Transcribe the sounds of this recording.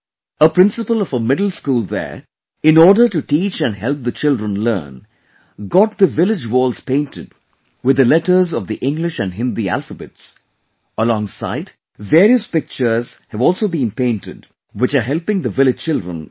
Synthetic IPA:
əpɾɪ̃nsəpəlɔvəmɪdl̩ˠskuːlˠðə̰ɹ | ɪ̃nɔːɖə˞ʈuʈiːt͡ʃæ̃nɦɛlˠp̚ðət͡ʃɪldɹə̃nlɜ̰ːn | ɡɔt̚d̪əvɪlɪd͡ʒwɔːlˠz̥pẽɪ̃ntɨd | wɨd̪əlɛʈə˞zɔvðiʔɪ̃ŋɡlɪʃæ̃nɖɦɪ̃nd̪iæ̰lfəbɨ̰ts | əlɔ̃ŋsa̰ɪd | veːɾiəspɪk̚t͡ʃə˞z̥hɨvɔːlˠsoːbĩnpẽɪ̃ntɪd | wɪt͡ʃəɦɛlpɪ̃ŋd̪əvɪlɨ̥t͡ʃɪldɹə̰̃n

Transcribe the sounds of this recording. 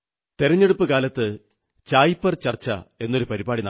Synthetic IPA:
t̪eɾɐɲːe̞ɽupːɨkaːlɐt̪ːɨ | t͡ɕaːjpːɐrt͡ɕɐrt͡ɕːɐ̰e̞nːo̞ɾupɐɾibaːɽinɐ

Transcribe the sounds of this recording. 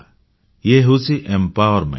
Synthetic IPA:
jeɦusiʔempaoɾmḛ

